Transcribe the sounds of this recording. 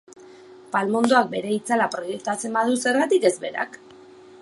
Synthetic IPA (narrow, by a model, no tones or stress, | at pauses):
palmond̪oak̚be̞ɾe̞it͡salapɾo̞je̞k̚t̪at͡se̞mbað̞use̞ɾɣat̪ike̞zbe̞ɾa̰k